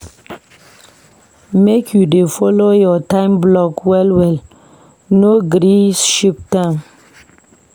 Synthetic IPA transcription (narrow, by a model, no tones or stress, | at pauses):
mekʰjudefɔlojɔtãɪ̃mblɔkwɛlwɛl | noɡɾisʃiptãm